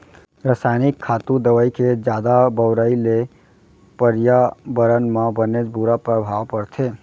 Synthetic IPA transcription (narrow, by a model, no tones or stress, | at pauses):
ɾəsajnikʰːat̪ud̪əʋəjkʰed͡ʒjad̪abəwɾəile | pəɾjabəɾənmãbəned͡ʒbuɾapɾəbʱaʋpəɾt̪ʰe